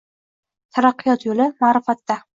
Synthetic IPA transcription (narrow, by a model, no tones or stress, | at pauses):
t̪ʰaɾɑqːɨjɒt̪jolɪmaːɾɪfat̪ːa